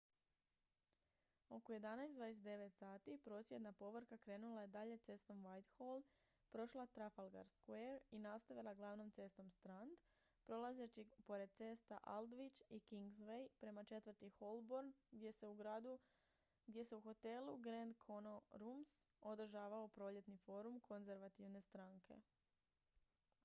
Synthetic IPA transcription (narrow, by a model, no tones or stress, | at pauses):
o̞koje̞d̪anajsd̪ʋaːd̪e̞s̬et̪e̞ʋe̞t̪saːt̪ipɾo̞ːsʋje̞d̪napo̞ʋɾkakɾe̞ːnulˠajed̪aʎe̞t̪se̞st̪o̞mʋajt̪xolˠ | pɾo̞ʃlˠat̪ɾafalˠɡa̰ɾskweːɾinast̪aʋilˠaɡlˠaːʋno̞mt̪se̞ːst̪o̞mst̪ɾand̪ | pɾo̞lˠazet͡ʃipo̞ɾe̞d̪̚t̪se̞ːst̪a̰ʔald̪ʋit͡ʃikiŋɡzʋejpɾe̞mat͡ʃe̞t̪ʋəɾt̪ixo̞lˠboɾnɡd̪je̞se̞uɡɾaːd̪u | ɡd̪je̞se̞uxo̞t̪e̞lˠuɡɾend̪kʰo̞noɾumso̞d̪r̩ʒaːʋaopɾo̞ːʎe̞t̪nifo̞ːɾumkʰo̞nze̞ɾʋat̪iʋne̞st̪ɾaːŋkʰe̞̰